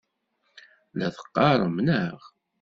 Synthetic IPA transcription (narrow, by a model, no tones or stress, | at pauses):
læθə̥qːɑɾˤəmnəʁ